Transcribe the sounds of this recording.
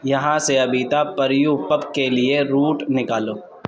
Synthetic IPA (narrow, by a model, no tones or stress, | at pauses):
jɐɦãseɐbit̪apɐɾjupɐpkelieɾuːʈnɪkaːloː